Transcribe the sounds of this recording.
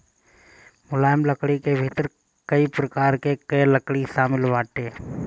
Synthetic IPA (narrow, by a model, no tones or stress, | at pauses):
mʊlaːjmləkɽikebʱɪt̪əɾ | kəipɾəkaːɾkekəjləkɽiʃaːmɪlʋaːʈeː